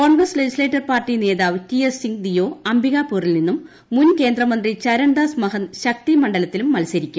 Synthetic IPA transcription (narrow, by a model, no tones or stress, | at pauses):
koːɳɡrɐsled͡ʑisle̞ːtːɐrpaːrʈːine̞ːðaːʋtiesiŋɡd̪ijo̞ːɐmbiɣaːpːuːrilninːumː | unke̞ːnd̪rɐmɐnd̪rit͡ɕɐɾɐɳɖasmɐɦɐnɕɐk̚t̪imɐɳɖɐlɐt̪ːilumːɐlsɐɾikʲːum